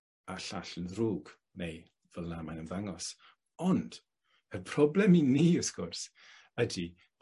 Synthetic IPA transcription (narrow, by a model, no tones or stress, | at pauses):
aɬaɬənruːɡ | nej | vəlˠamajnənvaŋɔs | ɔnd̥ | əpʰrɔblɛminiːʊskʊrs | ədi